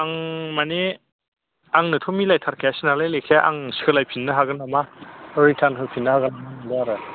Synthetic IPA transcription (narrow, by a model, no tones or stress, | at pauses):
aŋmane | aŋnɯtʰomilajtʰaɾkʰejasinalajlekʰeaʔa̰ŋsi̥kʰɯlajpʰinːɯɦaɡɯnamaɾitʰankʰɯpʰinːɯhaɡɯnamanɯdaaɾɯ